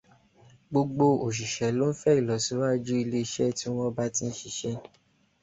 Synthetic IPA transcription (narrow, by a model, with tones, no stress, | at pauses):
ɡ͡bo˧ɡ͡bo˧o˨ʃ̬i˨ʃɛ˨˦lo˦n̩˦fɛ˦i˨lɔ˨˦si˨˦wa˦d͡ʒu˦i˧le˧i˧˨ʃɛ˦ti˦w̃ɔ̃˦ba˦tĩ˧n̩˦ʃi˨ʃɛ˦